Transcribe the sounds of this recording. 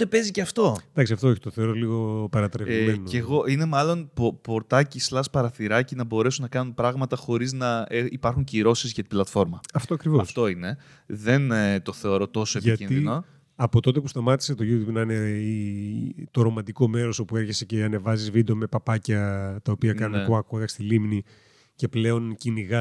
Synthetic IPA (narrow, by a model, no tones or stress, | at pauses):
ot̪e̞pe̞ziceɐft̪o̞d̪ɐksiɐft̪o̞oçi̥t̪oθeo̞ɾoliɣo̞pɐɾɐt̪ɾemenoeɣo̞ʔine̞mɐlo̞npopo̞ɾt̪ɐcislɐspɐɾɐθiɾɐcinɐbo̞ɾe̞sunnɐkɐnunpɾɐɣmɐt̪ɐxo̞ɾiznɐeipɐɾxuɲciɾo̞sizʝɐt̪iblɐt̪fo̞ɾmɐɐft̪oɐkɾivoɐsft̪o̞ine̞ | ðe̞nt̪o̞θe̞o̞ɾo̞t̪o̞so̞e̞ʝiɐtinino | ɐpo̞t̪o̞t̪e̞pust̪ɐmɐt̪i̥set̪oʝut̪jubnɐnei | t̪o̞ɾo̞mɐnd̪iko̞me̞ɾo̞so̞pue̞ɾçese̞ceɐne̞vɐzizvid̪ome̞pɐpɐcɐt̪ɐopiɐkɐnuneuɐkuɣɐst̪ilimni | ce̞ple̞o̞nciniɣɐ